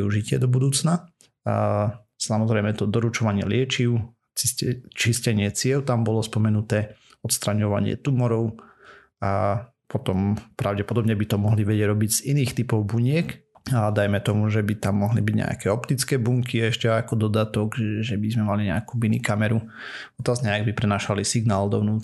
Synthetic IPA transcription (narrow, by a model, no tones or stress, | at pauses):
iuʒicɪɛ̰d̪ɔbud̪uːt͡sna | samɔzɾɛjmɛt̪ɔd̪ɔɾut͡ʃɔʋaɲɪɛ̰lɪɛt͡ʃiʊ | t͡siɛt͡ʃiscɛɲɪɛt͡sɪɛlt̪ambɔlɔspɔmɛnut̪ɛː | ɔt̪st̪ɾaɲɔʋa̰ɲɪɛ̰t̪umɔɾɔʊ | a | pɔt̪ɔmpɾaʊɟɛpɔd̪ɔbɲɛbit̪ɔmɔɦliʋɛɟɛɾɔbiɟz̥iniːxt̪ipɔʊbuɲɪɛkad̪ajmɛt̪ɔmuʒɛbit̪amːɔɦlibiɟɲɛ̰a̰kɛːɔpt̪it͡skɛːbuŋkiɛʃcɛajakɔd̪ɔd̪at̪ɔɡʒɛbizmɛmaliɲɛakubinikamɛɾuɔt̪azɲɛaɡbipɾɛnaːʃalisiɡnaːld̪ɔʊnuː